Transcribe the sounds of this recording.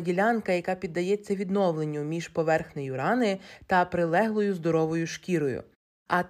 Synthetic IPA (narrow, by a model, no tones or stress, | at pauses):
dʲilʲɑnkɐjɐkɑpʲid̪ːɐjɛt͡sʲːɐʋʲid̪nɔwlˠenʲːʊmʲiʒ̥pɔʋɛrxnejʊɾɑnɪt̪ɐpɾɪlˠɛɦlˠɔjʊzd̪ɔɾɔʋɔjʊʃkʲiɾɔjʊ̰ | ɐ